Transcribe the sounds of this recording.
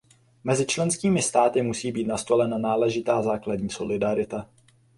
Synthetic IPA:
mɛzɪt͡ʃlɛnskiːmɪst̪aːt̪ɪmusiːbiːt̪nast̪o̞lɛnanaːlɛʒɪt̪aːzaːkladɲiːso̞̰lɪdaɾɪt̪a

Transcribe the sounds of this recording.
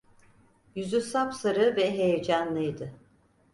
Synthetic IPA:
jyzysamsaɾɯvɛɦejed͡ʒanlˠɯjd̪ɯ

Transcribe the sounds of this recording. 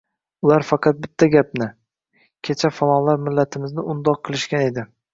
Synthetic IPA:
ʊlaɾfɑqʰɑt̪̚bɪt̪ʰːaɡʲapnɪ | kʲʰe̞t͡ʃʰafalˠɒlaɾmɪlːat̪ʰɪmɪznɪʊnd̪ɒqʰːɨlˠɪʃkʲane̞d̪ɪ

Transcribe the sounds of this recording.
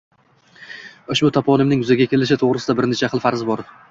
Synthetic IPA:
oʃbʊt̪ʰapʰɒnɪmnɪŋjʊzaɡʲakʲʰe̞lɪʃ̬ɪt̪ʰoʁɾɪsɪd̪abɪɾne̞t͡ʃʰaqʰɨlˠfaɾzɪbɒɾɪ

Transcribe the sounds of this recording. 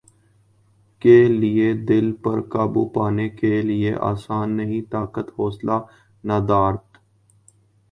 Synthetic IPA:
kelɪed̪ɪlpɐɾkaːbṵpaːnekelɪeʔa̰ːsaːnːəɦĩt̪aːkət̪hoːsla | naːd̪aːɾt̪

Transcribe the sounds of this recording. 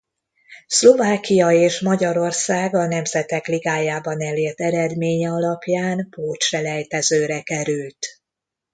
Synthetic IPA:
slo̞vaːkijɒeːʃmɒɟɒɾo̞rsaːɡɒn̪ɛmzɛt̪ɛkliɡaːjaːbɒnɛleːrt̪ɛɾɛd̪meːɲɛɒlɒpjaːnpoːtʃɛlɛjt̪ɛzøːɾɛkɛɾylt̪

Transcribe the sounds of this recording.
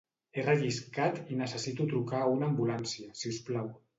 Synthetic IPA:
erəʒiskat̪inəsəsit̪ut̪ɾukaunambulansiasiusplaw

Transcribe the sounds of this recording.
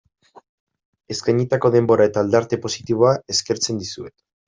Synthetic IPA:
e̞skajɲit̪ako̞ð̞e̞mbo̞ɾae̞t̪aːld̪aɾt̪epo̞sit̪iβ̞o̞ae̞ske̞ɾt͡se̞nd̪isue̞t̪

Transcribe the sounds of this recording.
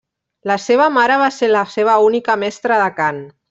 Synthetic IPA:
laseβamaɾaβ̞aselaseβ̞aunikəmɛst̪ɾəðakan

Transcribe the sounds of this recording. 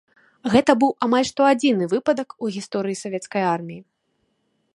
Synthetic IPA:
ɣɛt̪ɐbɨwʔamalʲʂt̪ɔad͡zʲin̪ɨvɨpɐd̪ɐkuɣʲist̪ɔɾɨjisavʲɛt̪skɐjarmʲiji

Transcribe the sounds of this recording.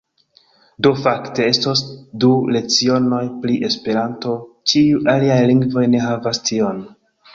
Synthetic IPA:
do̞fakte̞e̞stosdule̞t͡sio̞no̞jpliʔe̞spe̞ɾanto̞ | t͡ʃiuʔaliajliŋɡvo̞jne̞ɦavastio̞n

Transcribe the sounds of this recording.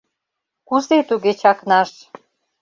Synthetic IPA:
kuzet̪uɣet͡ɕɑknɑʃ

